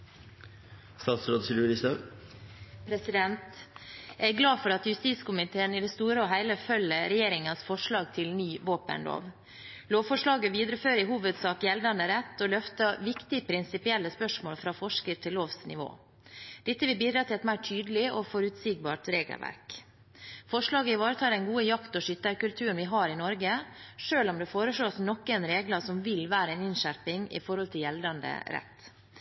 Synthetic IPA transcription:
st̪ɑːt̪sɾoːd̪t̪ɪlʉɾɪsɑ | pʰɾɛsɪd̪ɛnt̪ | æɪɡlɑːfɔɾɑt̪jʉst̪iːskʊmɪt̪ʰeːənɪd̪ɛst̪uːɾəɔɦæɪləfœləɾɛjeːɾɪŋənsfɔʂɭɑːɡt̪ʰɪlnyːʋoːpə̰nlo̰ːʋ | loːʋfɔʂɭɑːɡəʋiːd̪ɾəføːɾəɪɦuːʋəd̪sɑːkjɛld̪ɑnəɾɛt̪ːɔlœft̪əʋɪkt̪ɪpʰɾɪnsɪpɪɛlːəspœʂmoːlfɾɑːfɔʂkəɾt̪ʰɪlːoːʋsnɪʋo̰ː | d̪̥ɪt̪ːəʋɪlbiːd̪ɾɑt̪ʰɪlɛt̪mæɪʈʰyːd̪əlɪɔfɔɾʉt̪siːɡ̚bɑ̰ːʈɾeːɡə̰lʋæ̰ɾk | fɔʂɭɑːɡəɪʋɑːɾət̪ʰɑːɾɛnɡuːəjɑkt̪ɔʂʏt̪ːəɾkʉlt̪ʰʉːəɳʋɪɦɑːɾɪnɔɾɡəʂøːlɔmd̪ɛfoːɾəʂɭoːsnɔkːɛnɾeːɡlɑsɔmʋɪlʋæːɾəɛnɪnʃæɾpɪŋɪ̰fɔɾhɔlt̪ʰɪljɛld̪ɑnd̪ə̰ɾɛ̰t̪ː

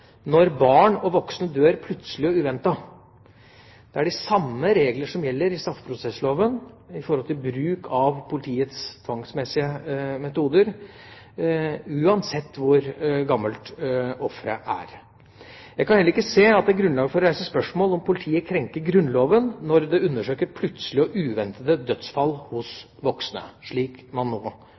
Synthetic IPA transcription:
nɔɾbɑːɳɔʋɔksnəd̪øːɾpʰlʉt̪səlɪɔʉːʋɛnt̪ɑ | d̪̥ɛæɖɪsɑmːəɾeːɡləʂɔmjɛlːəɾɪst̪ɾɑft̪pʰɾʊsɛsloːʋən | ɪfɔɾhɔlt̪ʰɪlbɾʉːkʰɑʋpʰʊlɪt̪ʰiːət̪st̪ʰʋɑŋsmɛsːɪəmɛt̪uːd̪əɾ | ʉːɑnsɛt̪ːʋʊɾɡɑmːəlt̪ɔfɾə̰ʔæ̰ɾ | jæɪɡkɑnhɛlːɾɪkːəseːɑt̪̚d̪ɛæɡɾʉnlɑːɡəfɔɾɾæɪsəspœʂmoːlɔmpʊlɪt̪ʰiːəkʰɾɛŋkəɾɡɾʉnloːʋənːɔɾd̪ɛʉnːəʂøːkəɾpʰlʉt̪səlɪɔʔʉːʋɛnt̪əd̪əd̪œt̪sfɑlːhʊsʋɔksnə̰ʂɭiːkmɑnːoː

